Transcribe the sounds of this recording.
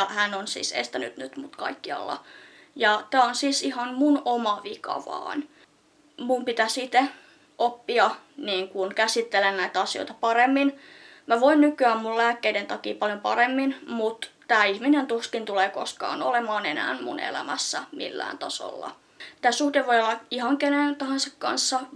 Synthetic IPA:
hænonsḭːsḛst̪æny̰t̪nyt̪mut̪kɑ̰ikːiɑ̰lːɑ̰ | jɑt̪æːonsiːsihɑnmunomɑʋikɑ̰ʋɑ̰ːn | mumpit̪æsit̪e | ʔopːiɑ | niːŋkunkæsit̪ːelennæit̪æɑsio̰jt̪ɑpɑremːin | mæʋoinnykyæmmullæːkːeident̪ɑkiːpɑljompɑ̰remːinmut̪t̪æːihminent̪uskint̪uleːko̰skɑ̰ːno̰lemɑːnenæ̰ːnmṵnḛlæ̰mæsːæmḭlːæ̰ːnt̪ɑso̰lːɑ̰ | t̪æːsuhdeʋoijolːɑihɑŋkenet̪ɑhɑnsɑkkɑ̰nsːɑ

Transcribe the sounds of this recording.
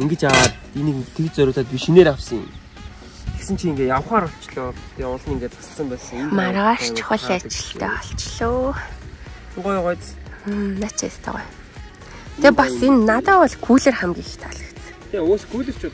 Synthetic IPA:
iŋɡɘ̆t͡ɕaaː | inikt̪ʰekt͡sœɾʲʊːt̪aːt̪̚pʲiʃineːɾawsə̆ŋʊ̰m | teksɘ̆nt͡ɕʰiiŋɡeːtjaw̆χaːɾɔɬt͡ɕɮʊːt̪iːʊɮ̆niŋɡeːt̪t͡sḁsə̆sə̆mpæːsə̆ŋmarʁaːʃt͡ɕʰχə̆ɮat͡ɕɪ̥̆ɬt̪ḛːɔɬt͡ɕɮoː | tʊɢɔjʁɔjt | nat͡ɕʰḛst̪ə̰ʁʊ̰j | t̪ʰepɔsenːat̪aːɔɮkʰuːɮĕrχæmɡʲiːŋxt̪ʰɔɮə̆kt͡s̪ʰ | eoːsɡuːɮɘ̆r̥t͡ɕu

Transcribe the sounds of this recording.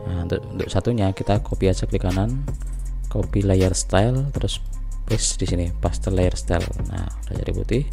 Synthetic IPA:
aunt̪ʊʔunt̪ʊʔsat̪uɲakit̪akopiasəkəlikanan | kopilajərst̪alt̪əɾʊs | bɛsdisinipast̪ərlajərst̪a̰lna̰ | ud̥a̰d͡ʒa̰dḭpṵt̪ɪh

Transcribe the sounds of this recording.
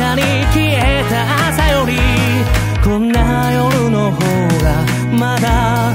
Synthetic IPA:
ani | kiet̪aʔasajoɾi | konːaajoɾɯnoɦo | ɾa | mad̪a

